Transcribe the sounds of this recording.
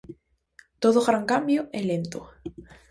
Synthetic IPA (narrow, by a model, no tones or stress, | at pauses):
t̪oðoɣɾaŋkambjoelent̪o